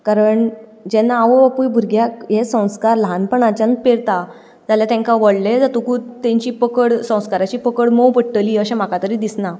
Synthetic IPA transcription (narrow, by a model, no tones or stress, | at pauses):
kaɾəɳ | d͡ʑɛnːaʋəpujbʱuɾɡjakjesə̃w̃skaɾlãnpəɳat͡ɕãnpeɽt̪a | d͡zaljat̪ɛ̃ŋkaʋəɽled͡zat̪ukuːt̪ẽɲt͡ɕiːpəkəɽsə̃w̃skaɾat͡ɕiːpəkəɽməpəɽʈəliːəɕɛ̃m̤akat̪əɾiːd̪isna